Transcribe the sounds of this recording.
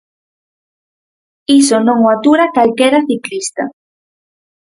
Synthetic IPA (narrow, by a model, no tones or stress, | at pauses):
isonõŋoat̪uɾakalkeɾaθiklist̪a